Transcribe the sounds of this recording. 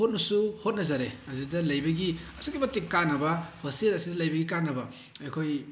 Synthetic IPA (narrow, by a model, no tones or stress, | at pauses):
ot̚nɐsuhot̚nɐzaɾeɐzidɐlɐjbɐɡiɐsukɡimɐtikanːɐbɐpʰɐsielɐsidɐlɐjbɐɡikanːɐbɐ | akʰoj